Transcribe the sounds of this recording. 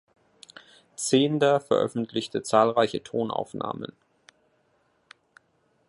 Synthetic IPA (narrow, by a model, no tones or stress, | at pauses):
t͡seːndɐfɛɐʔœ̰fn̩tʰlɪçtʰət͡saːlʁaɪçətʰoːnʔa̰ʊfna̰ːmə̰n